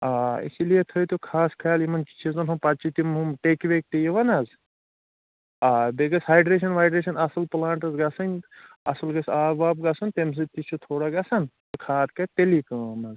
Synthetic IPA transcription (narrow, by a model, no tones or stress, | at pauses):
aːḭsilijet̪ʰɐjt̪okʰaːskʰaːlimɐnit͡ʃʰizɐnɦumpɐt͡ʃʰit̪imɦumʈekʋek̚t̪ijiʋɐnɐz | abeɡɐsɦaːjɖɾeːʃɐnʋaːjɖɾeːʃɐnɐsɐlplaːɳʈɐzɡɐsɐnʲ | ɐ̰sɐlɡɐsaːbaːb̚ɡɐsɐnt̪ems̬ɐt̪it͡ʃʰut̪ʰoːɽaɡɐsɐnt̪ɐkʰaːt̪kɐt̪elikɐːmɐz